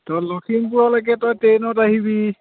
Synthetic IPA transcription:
tɔlɔkʰimpuɹɔlakɛtɔjtenɔtaɦibi

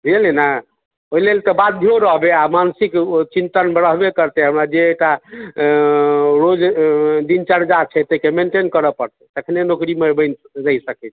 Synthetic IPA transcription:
ɾelena | oɦilelt̪ɔbad̪ʱjoɾəɦbeamansikt͡ʃint̪ənbɾəɦbekəɾt̪ɛɦəmɾad͡ʒeːk̚ʈa | ɾod͡ʒd̪int͡ʃəɾd͡ʒat͡ʃʰɛt̪əkemeɳʈenkəɾəpəɾt̪ɛt̪əkʰnenokɾimebənɾəjsəkɛt͡ʃʰɛ̥

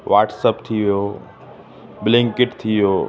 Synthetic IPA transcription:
ʋaːʈsəpt̪ʰiʋijoː | blɪ̃ŋkɪʈt̪ʰiʋijoː

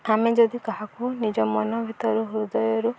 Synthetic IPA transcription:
amed͡ʒɔd̪ikɔɦakunid͡ʒɔmɔnɔbʱit̪ɔɾuɦud̪ɔjɔɾu

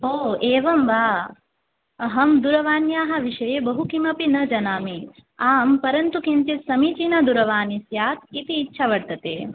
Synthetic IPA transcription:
oːeːʋɐmʋaː | ɐɦɐmd̪uɾɐʋaːnjaːɦɐ̆ʋiʃɐjebɐɦukimɐpinɐd͡ʒɐnaːmiaːmpɐɾɐnt̪ukint͡ʃit̪sɐmit͡ʃinɐd̪uɾɐʋaːnisjaːt̪it̪iːtːʃʰɐʋɐɽt̪ɐt̪eː

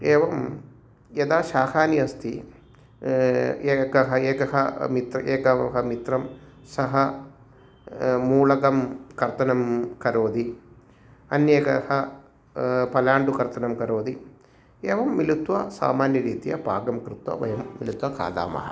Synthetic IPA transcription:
eːʋɐm | ɐd̪aːʃaːkaːnjɐɐst̪ʰi | ekɐɦɐeːkɐɦɐmit̪ɾɐeːkɐɦɐmit̪ɾɐmsɐɦɐ | muːlɐɡɐmkɐɾt̪ɐnɐmkɐɾoːd̪i | ɐnjeːkɐhɐ | pɐlaːɳɖukɐɾt̪ʰɐnɐmkɐɾoːd̪i | eːʋɐmːilut̪ʋɐsa̰ːmaːnjɐɾiːt̪ijɐ̰pa̰ːɡɐmkɾut̪ʋɐ̰ʋɐ̰jɐmːilut̪ʋɐka̰ːd̪a̰ːmɐ̰ɦɐ

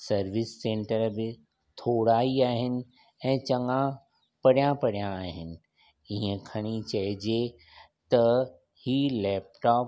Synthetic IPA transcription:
sɐɾʋɪsːẽːɳʈəɾbɪ | t̪ʰoːɽaːiaːɦɪnɪ̆ | ɛ̃ːt͡ɕɐ̃ŋã | pɐɽijãpɐɽijãːɦɪnɪ̆ | iɦə̃kʰɐɽ̃it͡ɕɐɦɪd͡ʑe | t̪ɐ | hiːlɛːp̚ʈɔːp

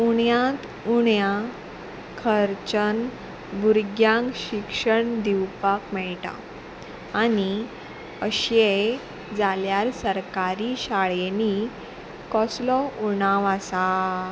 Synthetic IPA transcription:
uɳjãt̪ | uɳjã | kʰəɾt͡ɕən | buɾɡjãŋkɕikʂəɳd̪iwpakmɛɭʈa̰ | ani | əɕe | d͡zaljaɾsəɾkaɾiɕaɭeni | kɔslɔunãʋasa

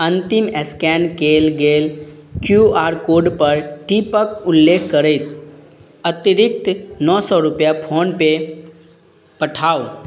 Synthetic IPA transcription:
ə̃nt̪ɪmɛskɛnkeːlɡeːlkjuaːɾkoːɖpəɾʈipəkʊlːeːkʰkəɾət̪ | ət̪iɾɪk̚t̪nɔːsɔɾʊpjapʰoːnpe | pəʈʰaːo

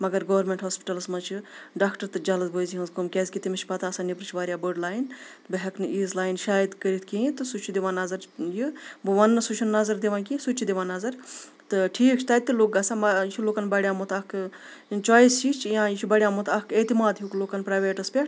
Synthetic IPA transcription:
mɐɡɐɾɡoːʋɾmeɳʈɦoːspi̥ʈɐlsmɐt͡ʃʰuɖaːkʈɐɾt̪ɨd͡ʒɐlɐzbʱoːjziɦɐ̃nzkumkʲɛzʲkʲit̪imɐt͡ʃʰpɐt̪aːsanipɾɨt͡ʃʰʋaːɾʲjaːbəɖlaːjn | bɐɦɐknɨiːzlaːjnʃaːjid̪kəɾit̪ʰkiit̪ɨsut͡ʃʰud̪iʋãːnɐzɐɾjɨbɨʋɐnːɨsut͡ʃʰunːɐzɐɾd̪iʋãːkisut͡ʃt͡ʃʰud̪eʋãːnɐzɐɾ | t̪ɨʈʰiːkt͡ʃʰt̪aːt̪ːɨloːk̚ɡɐsaːmɐjt͡ʃʰuloːkɐnbɐɽjaːmut̪ɐk | t͡ʃɔːjist͡ʃiːt͡ʃʰjãːjit͡ʃʰubɐɽʲjaːmut̪ʰɐket̪imaːd̪jukloːkɐnpɾaːʋeːʈɐspʲeʈ

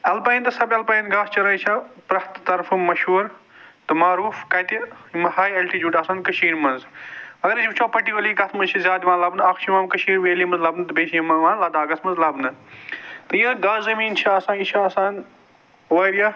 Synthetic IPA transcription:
ɐlpɐjnt̪ɐsɐbɐlpɐjnɡaːst͡ʃɐɾɐnt͡ʃʰɐpɾɐht̪t̪ɐɾfʰɨmɐʃuːɾt̪ɐmaːɾuːfkɐt̪imɐhaːjɐlʈiːd͡ʒuːʈaːsaːnkɐʃiːɾmɐnzɐɡɐɾid͡ʒbt͡ʃʰoːpɐʈioliːɡɐt̪ʰmɐzt͡ʃʰɐzʲjaːd̪iʋãːnlɐbnɨɐkʰt͡ʃʰimaːmkɐʃʰiːɾʋeːlimɐnzlɐbnɨt̪ɐbeːʃimɐʋãːnlɐd̪aːɡɐsmɐnzlɐbnɨ | t̪ɐjɐɡaːzzɐmiːnt͡ʃʰiɐsãːit͡ʃʰasãːn | ʋɐːɾja

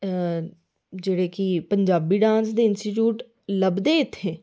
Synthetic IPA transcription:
d͡ʒeːɽeːkipəɲd͡ʒaːbiːɖãːnsd̪eːɪnsʈiʈ̬juːʈ | ləbd̪eːɪt̪ʰːeː

